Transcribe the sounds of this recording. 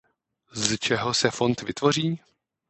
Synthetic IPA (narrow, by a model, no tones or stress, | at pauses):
zt͡ʃɛɦo̞sɛfo̞nt̪vɪt̪vo̞r̝iː